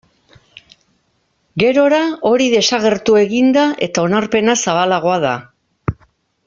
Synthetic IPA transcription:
ɡe̞ɾo̞ɾao̞ɾiðe̞saɣe̞ɾt̪ue̞ɣind̪aʔe̞̰t̪ao̞naɾpe̞nasaβalaɣ̞o̞aða̰

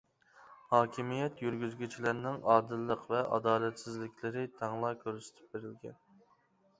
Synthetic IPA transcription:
hɑːkʲʰimijɛt̪jyɾɡʲyzɡʲyt͡ʃʰilɪɾnɪŋɑːd̪ɨlˠːəqvɛʔɑ̰d̪ɑːlɛt̪sɪzlɪkʲlɪɾɪt̪ʰɑŋlˠɑkʲʰøɾsɪ̥t̪ʰɪ̥p̚beɾɪlɡʲɛ̰n

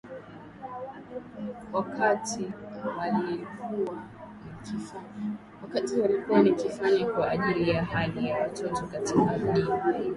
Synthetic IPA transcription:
wakʰatiwalikuwa | nii | wakatiwalikuwanikifaɲakwaʔːʄiɾijahaʄijawatɔtɔkatikam̩ɗim

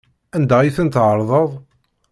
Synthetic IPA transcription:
ænd̪æjiθənt̪ʕəɾˤðˤəðˤ

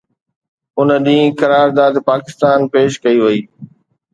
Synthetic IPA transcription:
ʊnɗĩːkɐɾaːɾd̪aːd̪paːkɪst̪aːnpeːʃkɐiʋɐiː

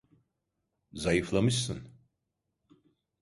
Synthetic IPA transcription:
zajiflamɨsɨ̰n

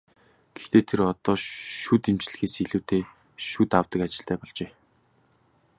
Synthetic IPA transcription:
ɡ̥ext̪ʰeːt̪ʰeɾɔt̪ɔːʃut̪imt͡ɕɮɘ̆xeːsiɮuːt̪eː | ʃut̪awt̪ə̆kat͡ɕɪ̥̆ɬt̪æːpɔɮt͡ɕeː

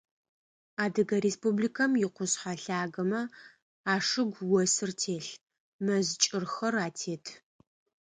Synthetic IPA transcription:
aːdɨɡɐɾeːspublikʰɐmjɪqʷʊsħaɬaːɡɐmɐ | aːʂɨɡʷwɔsɨrtʰeːɬ | mɐzt͡ʃʼɪrxɐraːtʰeːtʰ

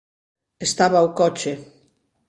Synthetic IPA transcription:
est̪aβawkɔt͡ʃe

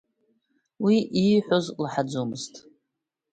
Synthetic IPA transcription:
wiʔiħʷozlħad͡zomɨztʼ

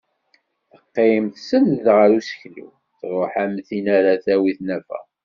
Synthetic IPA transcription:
θə̥qːemθsənðʁəɾusə̥çlḭw | θɾˤoħæmθinaɾaθæwiθnæfæ̰

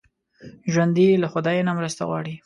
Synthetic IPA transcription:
ʒwand̪ilaxʊd̪ɑjenamɾəst̪a̰ɣwɑ̰ɽi

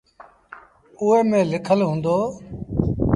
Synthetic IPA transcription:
ʊːɦeːmẽːlɪkʰəlɦũːnd̪oː

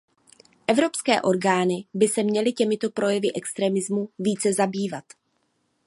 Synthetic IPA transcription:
ʔɛvɾo̞pskɛːʔo̞ɾɡaːnɪbɪsɛmɲɛlɪcɛmɪt̪o̞pɾʔo̞jɛvɪʔɛkst̪ɾɛmɪzmuviːt͡sɛzabiːvat̪

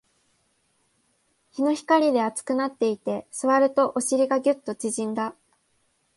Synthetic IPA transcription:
çino̞çi̥kaɾʲid̪e̞at͡sɨ̥kɯ̟nat̪ːe̞it̪e̞sɨβaɾɯ̟t̪o̞ʔoɕiɾʲiɡaɡʲɨ̟t̪ːo̞t͡ɕiʑĩnd̪a

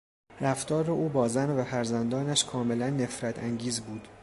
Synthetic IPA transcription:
ɾæft̪ɒːɾeʔuːbɒːzænvæfæɾzænd̪ɒːnæʃkʰɒːme̞lænːe̞fɾæt̪ʰæŋɟiːzbuːd̪̥

